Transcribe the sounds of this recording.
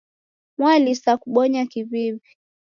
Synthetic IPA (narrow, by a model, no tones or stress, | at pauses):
mwalisakuɓɔɲakiβiβi